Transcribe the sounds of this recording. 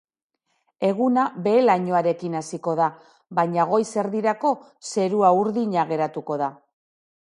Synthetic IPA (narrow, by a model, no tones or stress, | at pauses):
e̞ɣ̞unabe̞ːlaɲo̞aɾe̞kinasiko̞ða | βaɲaɣ̞o̞jse̞ɾðiɾako̞ | se̞ɾuauɾðiɲaɣe̞ɾat̪uko̞ða